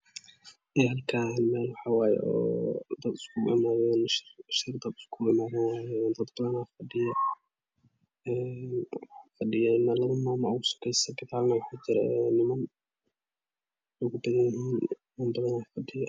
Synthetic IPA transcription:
ɪjɐlkʰaːlmɛːlwɑħɑːwaːjɛ̰ʔɔ̰ːd̪ɐd̪ɪskʰʊʔɪ̰maːðɛnʃɪʃɪrd̪ɐd̪ɪ̥skʰʊɪmaːðɐnwaːjɛnd̪ɐd̪bɐðɐnaːfɐɖɪjɐ | ɛːnwħafɐɖɪjɐɪnɐlɐðɐmaːmɐɣʊsɐ̥kʰɛjsɐbɪt̪ʰaːbnɐwɑħaːd͡ʒɪɾɛ̰nɪmɐn | ʊɣʊbɐðɐnjɪɦiːn | mɐmbɐðɐnafɐɖɪjɐ

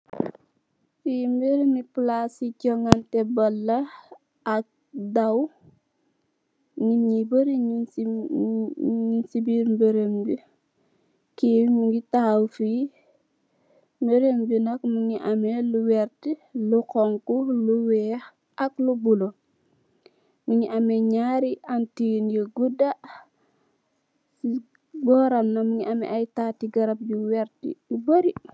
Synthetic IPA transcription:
fiːmbeɾmiplasicɔŋantɛbɐlːɐ | ak̚ | daw | ŋiɲibəɾiɲ | ɲinsibiɾmbeɾembi | kiːwmuŋɡitahwfiː | mbəɾembinɐk̚muŋiʔameluwɛɾtilukɔŋkuluwɛːx | ɐklubulo | muɲiʔɐmɛɲaːɾiʔantinjiɡuda | si | bɔːɾɐmnɐmuɲiʔamɛ̰ʔajtaːtiɡɐɾɐp̚ɟuwɛɾtḭuboɾi

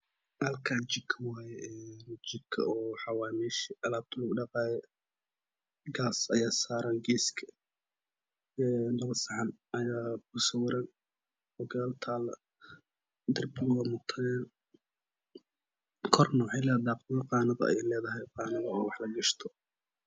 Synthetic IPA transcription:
ʔɐlkʰaːt͡ʃɪbkʰɐwaːjɛɛnt͡ʃɪkʰɐ̰ɔːħɑwaːniʃiʔɐlaːb̚d̪ʰʊlʊɡɖɑqɑːjɛ | ɡaːsɐjaːsaːɾanɡiːskʰɐ̥ | ɛːnɐβɐsɐʕɑnɐjaːbusɐwɐɾɐn | ɔɡɐlt̪ʰaːlɐ | d̪ɪrbʊwɐmʊt̪ʰɐnɛn | kʰɔrnɔːħɪlɛːd̪aːqjɔqɑːnɐðɐ̰ɛ̰jlɛːðɐɦɛjqɑːnɐðɐwɑħlɐɡɐʃt̪ʰɔ̥

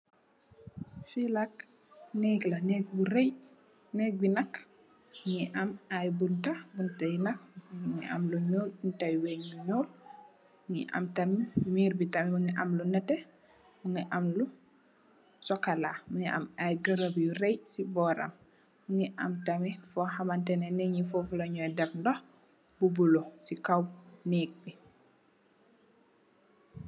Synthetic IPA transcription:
filɐk | nɛklɐnɛk̚buɾɛj | nɛk̚binɐk | ŋiʔɐmajbuntabuntɐjunɐk̚uŋiʔɐ̰mluɲɔːlbuntajwɛɲluɲɔːl | ŋiʔɐ̰mtɐmmiːɾbitɐmɛmuŋiʔɐmlunɛtɛ | muŋiʔɐmlu | sɔkalamuŋiʔɐ̰mɐjɡəɾəbjurɛjsibɔːɾɐ̰mː | ŋiʔɐmtɐmifɔhɐmantɛnɛnɛɲifofulɐɲɔɛdɛfndɔh | bubulosikawnɛk̚bi

